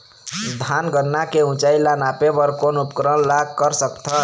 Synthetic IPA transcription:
d̪ʱanɡʌɾnːakeũt͡ʃajlanapebʌɾkonupkɾʌmlaɡkʌɾsʌkt̪ʰʌ

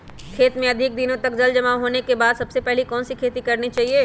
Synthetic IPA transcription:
kʰeːt̪mẽɐd̪ʱɪk̚d̪ɪnõt̪ɐkd͡ʒɐld͡ʒɐmaɦoːnekebaːd̪sɐbsepɛɦlikɔːnsikʰeːt̪ikɐɾnit͡ʃaːɦieː

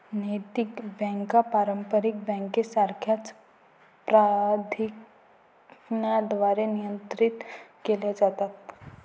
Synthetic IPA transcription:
nəjt̪ikbɛ̃ŋkapaɾəmpəɾik̚bɛ̃ŋkesaɾkʰjat͡s | pɾad̪ʱik | nad̪ʋaɾenijənt̪ɾit̪kelad͡zat̪at̪̚

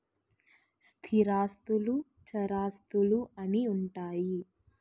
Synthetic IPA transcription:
st̪ʰiɾaːst̪ulu | t͡ʃɐɾaːst̪uluɐniuɳʈaːji

